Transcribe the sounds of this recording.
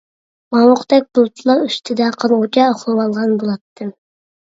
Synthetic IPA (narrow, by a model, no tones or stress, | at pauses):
mɑwʊqd̪ɛk̚ʲbolˠt̪ʰulˠɑɾyst̪ʰɪd̪ɛqʰɑlˠʁʊt͡ʃʰɑːχlˠɨwɑlˠʁɑnbolˠɑt̪ʰːɨ